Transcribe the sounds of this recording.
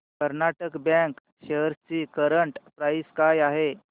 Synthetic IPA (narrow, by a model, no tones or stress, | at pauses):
kəɾnaʈəkbjɛ̃ŋk | ɕeɦəɾt͡ɕiːkəɾəɳʈpɾajskajaɦe